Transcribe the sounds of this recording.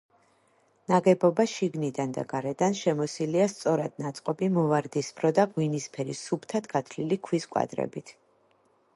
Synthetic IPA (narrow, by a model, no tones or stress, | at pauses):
naɡɛbɔbaʃiɡnid̪and̪a̰ɡaɾɛd̪anʃɛmɔsiliast̪sʼɔɾad̪̥̚nat̪sʼqʼɔbimɔvaɾd̪isbʰɾɔd̪aɡwinispʰɛɾisupʰt̪ʰad̪ɡat̪ʰlilikʰwiskʼwa̰d̪ɾɛ̰bit̪ʰ